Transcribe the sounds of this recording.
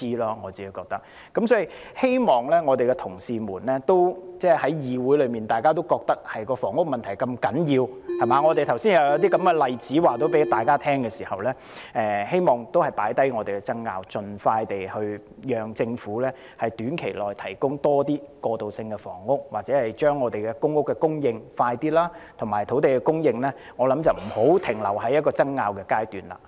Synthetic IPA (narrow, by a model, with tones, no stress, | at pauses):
iː˥laː˧ŋɔː˨˧t͡siː˨˩u˨˧kɔː˧k̚t̪ɐ˥k̚ | kːɐ˨˥msɔː˨˥ji˨˩he˥jmɔː˨˩ŋlɛː˥ŋɔː˨˧t̪e˨jkɛ˧t̪ʰʊ˨˩ŋsiː˨muː˨˩nlɛː˥t̪o˥wt͡sɛː˥˩hɐ˨˥jjiː˨˧wuː˨˥jlɵ˨˧ɥmiː˨nt̪aː˨˩jkaː˥t̪̬o˥wkɔː˧k̚t̪ɐ˥k̚hɐ˨jkɔː˧fɔː˨˩ŋːʊ˥k̚mɐ˨nt̪ʰɐ˨˩jkɐ˧mkɐ˨˥njiː˧whɐ˨maː˨˧ŋɔː˨˧te˨jt̪ʰɐ˨˩wsiː˥njɐ˧wjɐ˨˧wt̪iː˥kɐ˨˥mɡɛ˧lɐ˨jt͡siː˨˥waː˨˩t̪o˥wpe˨˥jt̪aː˨jkaː˥t̪ʰɛː˥ŋkɛː˧siː˨˩hɐ˨wlɛː˥ | ʔɛː˨˧he˥jmɔː˨˩ŋt̪o˥whɐ˨˩jpaː˨˥jt̪ɐ˥jŋɔː˨˧e˨˩kɛ˧t͡sɐ˥ŋːa̰ː˧wt͡sɵ˨nfaː˧jt̪e˨jhɵ˧ɥ | jœː˨ŋt͡sɪ˧ŋfuː˨˥lɛː˥ | hɐ˨jt̪yː˨˥nkʰe˨˩jlɔː˨˩jt̪ʰɐ˨˩jkʊ˥ŋt̪ɔː˥t̪iː˥kɔː˧t̪o˨wsɪ˧ŋkɛ˧fɔ̰ː˨˩ŋːʊ˥k̚waː˨k̚t͡sɛ˨˥hɐ˨jt͡ʃœː˥ŋːɔː˨˧t̪e˨jkɛ˧kʊ˥ŋːʊ˥kːɛ˧kʊ˥ŋjɪ˧ŋfaː˧jt̪iː˥laː˥t̪ʰʊ˨˩ŋmaː˨˩jt̪ʰo˨˥wt̪e˨jkɛ˧kʊ˥ŋjɪ˧ŋlɛː˥ | ŋɔː˨˧lɐ˨˥mt͡sɐ˨wm̩˨˩ho˨˥wt̪ʰɪ˨˩ŋlɐ̰˨˩wɦɐ˨˥jɐ˥t̚kɔː˧t͡sɐ˥ŋːaː˧wkɛː˧kaː˥jt̪yː˨nla̰ː˨